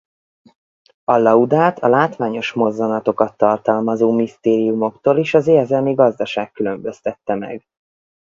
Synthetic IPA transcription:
ɒlɒud̪aːt̪ʰɒlaːt̪ʋaːɲo̞ʃmo̞zːɒnɒt̪o̞kɒt̪ːɒrt̪ɒlmɒzoːmist̪eːɾijumo̞kt̪oːliʃɒzeːrzɛlmiɡɒzd̪ɒʃaːkːylø̞mbø̞st̪ɛt̪ːɛmɛ̰ɡ

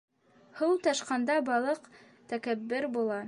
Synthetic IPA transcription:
hɤwt̪ɑʃqɑnd̪ɑbɑlˠɤq | t̪ækæbːɵɾbulˠɑ

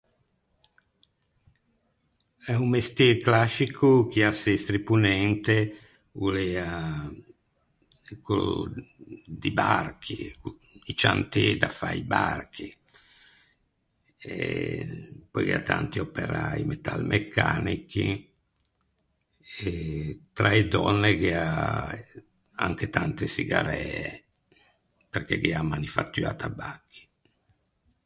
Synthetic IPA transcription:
ɛummest̪jeɾklaʃikʰuk̟iasest̪ɾipunɛnt̪e | ulea | ɛkːol̰ | d̪ibarkʰi | it͡ʃant̪ed̪afaibark̟ʰi | e | pɔjkeat̪ant̪iopeɾaimet̪almʔekʰːaːniki | et̪ɾaed̪ɔnːekea | aŋk̟et̪ant̪esiɡaɾɛːe | perkɛɡeamanifat̪ːyaːt̪abakʰːi̥

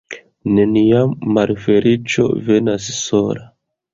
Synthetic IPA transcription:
ne̞nijamːalfe̞ɾit͡ʃo̞̰ve̞nasso̞la

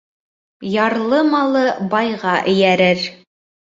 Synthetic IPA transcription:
jɑɾlˠɤmɑlˠɤbɑjʁɑʔɘ̆jæɾɘɾ

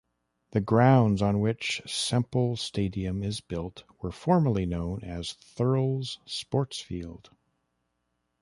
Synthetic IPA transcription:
ðɨɡɹãʊ̃ndzn̩wɪt͡ʃsɛ̃mpl̩ˠsteɪɾiɨ̃mɪzbɪlˠt̚wə˞fɔɹmə˞lˠinõʊ̃nɨz̥θɜ˞l̩ˠz̥spɔɹtsfḭlˠd̥

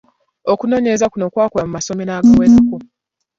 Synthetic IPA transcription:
okuno̞ːɲezakuno̞kwaːkwoamumaso̞menaːɡawezako

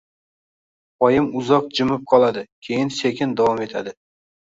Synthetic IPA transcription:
ɒjɪmʊzɒq̚d͡ʒɪmɪp̚qʰɒlˠad̪ɪkʲʰe̞jɪnsekʲɪnd̪avɒme̞t̪ʰad̪ɪ

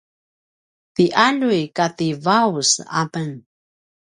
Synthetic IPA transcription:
tiʔaʎujkat̪ivawsa̰pəŋ

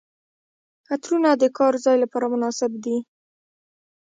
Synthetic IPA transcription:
xat̪ɾunad̪əkɑɾzɑjlapɑɾamʊnɑsɪbd̪i

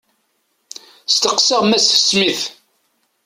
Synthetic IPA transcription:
st̪əqsəʁmæsθə̥smiθ

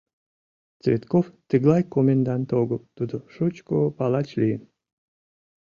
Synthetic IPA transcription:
t͡svʲet̪koft̪ɨɡlˠɑjkomʲend̪ɑnt̪oɡəlt̪ud̪oʃut͡ɕkopɑlˠɑt͡ɕlʲijən

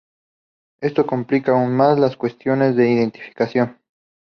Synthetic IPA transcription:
e̞st̪o̞komplikaːunmazlaskwe̞st̪jo̞ne̞zðe̞iðe̞nt̪i̥fi̥kasjo̞n

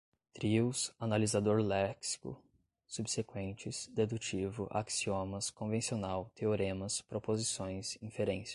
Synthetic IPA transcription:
t̪ɾiwsanalizad̪oɾlɛksi̥kʊ̰ | subsekwẽnt͡ʃɪsd̪ed̪ut͡ʃivʊʔa̰ksiõmɐskõvẽsionawt̪ʰeoɾẽmɐspɾopozisõj̃sĩfeɾẽs

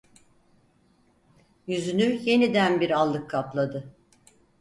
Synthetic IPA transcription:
jyzynyje̞nid̪ænbiɾalˠːɯkʰːaplˠad̪ɯ

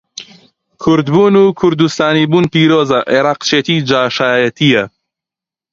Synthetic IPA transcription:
kʰʊɾd̪buːnuːkʰʊɾd̪ust̪aːniːbuːnpiːɾoːzɐʔeɾaːqt͡ʃʰeːt̪iːd͡ʒaːʃaːjɐt̪ijɐ

